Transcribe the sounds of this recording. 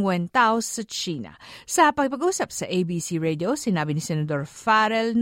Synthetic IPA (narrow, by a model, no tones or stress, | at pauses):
ŋwɛnt̪aosːɐt͡ʃiːnɐ̰sɐpɐɡpɐɡʔuːsɐp̚sɐʔejbisiɹɛd̪josɪnaːbɪnɪsɛnɐd̪o̞ɾfaɾɛln